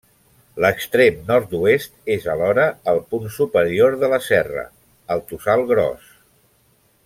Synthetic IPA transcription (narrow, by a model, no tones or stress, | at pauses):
ləkst̪ɾemnɔɾt̪̚d̪uest̪ezəlɔɾəəlˠpunsupəɾioɾðələsɛrə̰ | əlˠt̪usalˠɣɾɔ̰s